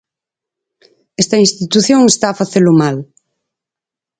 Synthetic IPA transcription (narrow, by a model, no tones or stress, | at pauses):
ɛst̪ɐĩnst̪it̪uθjoŋest̪aːfaθelʊmal